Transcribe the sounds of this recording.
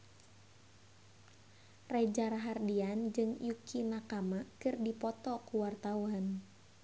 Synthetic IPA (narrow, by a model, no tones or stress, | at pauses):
rad͡ʒaɾaɦardiand͡ʒɨŋj̰ukʰimakamakɨrdipɔt̪ɔkuwart̪auan